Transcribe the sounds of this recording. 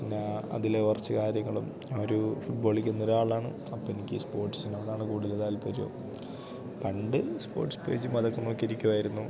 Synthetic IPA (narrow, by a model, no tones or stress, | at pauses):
pinːeɐ̰ðileʋɐrt͡ɕːɨkaːɾjɐŋːɐɭum | aoɾufuʈ̚bo̞ːɭikʲːunːo̞ɾuaːɭaːɳɨ̰ | ɐpːoːenikʲːɨspo̞ːrʈːsinɐʋɐɽaːɳɨkuːɽileðaːlpɐɾujo̰ː | pɐɳɖɨspo̞̰ːrʈspe̞ːd͡ʑumɐðɐkːɐnːoːkːiɾikʲːuʋaːjiɾunːu